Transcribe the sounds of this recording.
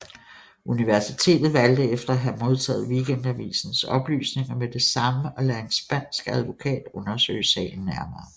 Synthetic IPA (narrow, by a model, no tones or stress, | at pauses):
ʔuniʋæɐsit͡sʰe̝̰ːd̥ð̩ˠʋæld̥əefd̥ɐæɦæmo̝ð̞ˠt͡sʰɛ̰ːð̩ˠʋikʰend̥æʋḭːsn̩sɒ̽b̥ly̰ːsne̝ŋɐmed̥e̝sɑ̈məʔɒ̽læɐe̝nsb̥æn̰sɡ̥æð̞ˠʋo̝kʰɛ̰ːd̥ɔ̽nɐsø̰ːɪsɛ̰ːɪn̩ːæɐmɐː